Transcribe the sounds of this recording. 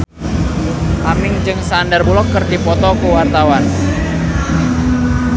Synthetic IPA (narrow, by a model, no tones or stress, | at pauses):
ʔamɪŋd͡ʒɨŋsandarbulɔkːərdipɔt̪ɔkuwart̪awan